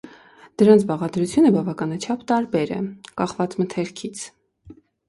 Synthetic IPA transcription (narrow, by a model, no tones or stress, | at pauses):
d̪̥əɾɑnt͡sʰbɑʁɑd̪ɾut͡sʰjunəbɑvɑkɑnɑt͡ʃʰɑpʰt̪ɑɾbɛɾɛ̰kɑχvɑt͡smət̪ʰɛɾkʰit͡sʰ